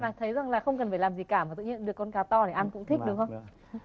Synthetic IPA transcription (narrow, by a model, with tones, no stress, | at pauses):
vaː˨˩t̪ʰə˨˦jza˨˩ŋlaː˨˩xə˧wŋ͡mk̬ə˨˩nfaː˧˩laː˨˩mzi˨˩kaː˧˩maː˨˩t̪ɨ̰˧˨ɲḭ˧ənɗɨ˨˩əkːɔ˧nkaː˨˦wt̪ɔ˧ɗe˧˩ʔa˧nkʊ̰˧˥ŋ͡mt̪ʰi˦˥kŋ͡m̚ɗxə˧ŋ͡m